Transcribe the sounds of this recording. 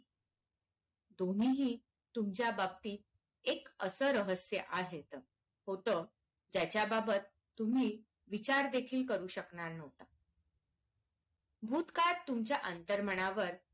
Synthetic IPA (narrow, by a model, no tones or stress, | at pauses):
d̪on̤iɦiː | t̪umt͡ɕjabab̚t̪iː | ekəsəːɾəɦəsjəʔaɦet̪ə | hot̪əː | d͡ʑjat͡ɕjababət̪ːum̤iː | ʋit͡ɕaɾd̪ekʰiːlkəɾuːɕəknanəʋt̪a | bʱuːt̪kat̪ːumt͡ɕjaʔənt̪əɾməɽ̃aʋəɾ